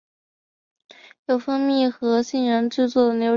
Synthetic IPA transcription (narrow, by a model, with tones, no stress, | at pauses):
jo˨˩ʊfɤ˥ŋmji˥˩xɤ˧˥ɕi˥˩nɻə˧˥nʈ͡ʂɻ̩˥˧t͡swɔ˥˩d̪ə˩njo˥